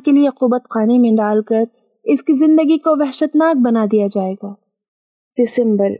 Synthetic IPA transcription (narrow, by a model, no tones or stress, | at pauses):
kelieqʊbət̪qaːnemẽɖaːlkəɾ | ɪskizɪ̃nd̪əɡikoʋɛɦʃət̪naːk̚bɐnad̪ijad͡ʒaːeːɡaː | d̪̥ɪsə̃mbəɾ